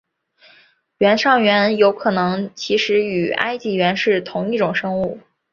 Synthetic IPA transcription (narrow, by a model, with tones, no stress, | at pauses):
ɥɛ˧˥nʂɑ˥˩ŋɥɛ˧˥njo˧˥ʊkʰɤ˨˩nɤ˧˥ŋt͡ɕʰi˧˥ʂɻ̩˧˥y˨˩a̰˥ɪt͡ɕi˧˥ɥɛ˧˥nʂɻ̩˥˩t̪ʰʊ˧˥ŋi˥˩ʈ͡ʂʊ˨˩ŋʂɤ˥ŋu˥˩